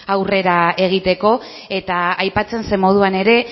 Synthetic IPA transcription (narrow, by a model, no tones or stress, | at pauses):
awre̞ɾae̞ɣ̞it̪e̞ko̞ | e̞t̪aajpat͡se̞nse̞mo̞ð̞uane̞ɾe̞